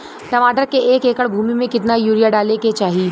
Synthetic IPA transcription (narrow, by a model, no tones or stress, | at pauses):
ʈɐmaːʈəɾkeeːkeːkəɽbʱuːmimẽkɪt̪najuːɾijaɖaːleket͡ʃaːɦiiː